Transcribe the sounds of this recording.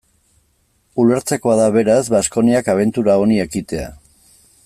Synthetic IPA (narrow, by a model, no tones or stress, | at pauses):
ule̞ɾt͡se̞ko̞aðaβe̞ɾazβasko̞niakaβ̞e̞nt̪uɾao̞nie̞kit̪e̞a̰